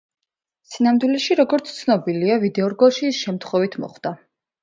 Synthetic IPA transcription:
sinamd̪wilɛʃiɾɔɡɔɾt̪sʰt̪sʰnɔbiliavid̪ɛɔɾɡɔlˠʃiːsʃɛmt̪ʰχwɔvit̪ʰmɔ̰χd̪̥a

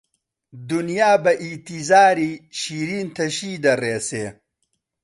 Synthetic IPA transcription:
d̪unjaːbɐʔit̪izaːɾiɕiːɾiːnt̪ʰɐɕiːd̪ɐɾeːseː

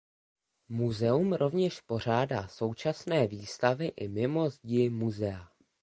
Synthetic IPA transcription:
muzɛumɾo̞vɲɛʃpo̞r̝aːdaːso̞wt͡ʃasnɛːviːst̪avɪʔɪmɪmo̞zɟɪmuzɛa

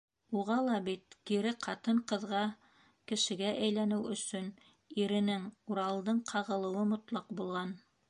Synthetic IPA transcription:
uʁɑlˠɑbit̪̚kiɾɘqʰɑt̪ɤɴqɤ̆ðʁɑ | kɘ̆ʃɘ̆ɡæʔæjlænɘwɵ̆sɵn | iɾɘ̆nɘŋuɾɑlˠd̪ɤɴqʰɑʁɤ̆lˠɤ̆wɤmŏt̪lˠɑqbulˠʁɑn

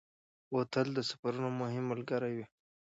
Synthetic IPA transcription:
wot̪əld̪əsḁfaɾunomʊɦɪmːəlɡaɾajwi

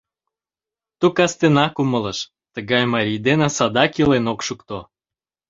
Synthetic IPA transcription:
t̪ukɑst̪enɑkumələʃ | t̪əɣɑjmɑɾʲijd̪enɑsɑd̪ɑkilenokʃukt̪o

